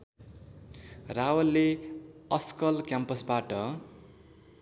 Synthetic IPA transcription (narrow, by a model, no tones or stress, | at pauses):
rawʌlːeʌskʌlkjampʌsbaʈʌ